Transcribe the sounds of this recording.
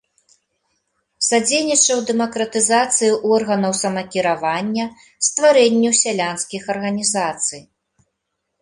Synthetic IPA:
sad͡zʲejnʲit͡ʂɐwd̪ɛmɐkɾɐt̪ɨzat̪sɨjiʔɔrɣɐnɐwsɐmɐkʲiɾavanʲːɐ | st̪vaɾɛnʲːiwsʲalʲanskʲixɐrɣɐnʲizat̪sɨj

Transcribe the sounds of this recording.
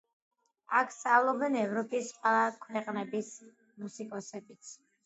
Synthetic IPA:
akʰst̪ʼavlˠɔbɛnɛvɾɔpʼisqʼwɛlˠakʰwɛqʼnɛbis | musikʼɔsɛbit̪sʰ

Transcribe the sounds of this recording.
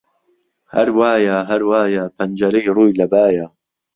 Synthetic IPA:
hɐ̰ɾwaːjaːɦɐɾwaːjaːpʰɐnd͡ʒɐɾejruːjlɐbaːjaː

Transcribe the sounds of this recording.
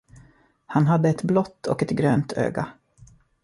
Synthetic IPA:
hanɦad̪ːəɛt̪blɔt̪ʰːɔ̰kɛt̪ɡɾøːnt̪ʰø̰ːɡa

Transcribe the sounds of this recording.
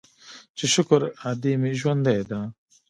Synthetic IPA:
t͡ʃeʃʊkɾad̪iːmiʒwɐnd̪ad̪aː

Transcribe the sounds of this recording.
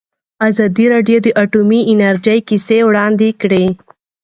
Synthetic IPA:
azɑd̪iɾɑɖijod̪əʔaʈumiɪnaɾd͡ʒəjkisewɽɑnd̪ekɽe

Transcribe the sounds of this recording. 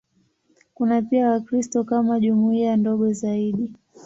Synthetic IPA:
kunapiawakɾistɔkamaʄumuiandɔɠɔzaiɗi

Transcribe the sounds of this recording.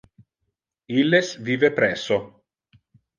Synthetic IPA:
ilːesviːvepɾɛsːo

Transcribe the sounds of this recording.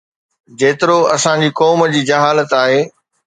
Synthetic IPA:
d͡ʑeːt̪ɪɾoɐsãd͡ʑiːkɔːməd͡ʑiːd͡ʑɐɦaːlət̪aːɦeː

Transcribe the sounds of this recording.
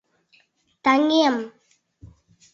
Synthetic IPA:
t̪aŋɡijɐm

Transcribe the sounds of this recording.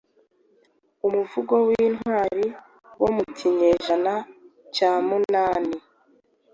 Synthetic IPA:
umuvuɡowinɦwaːɾi | womutʰiɲeʒana | caːmunaːni

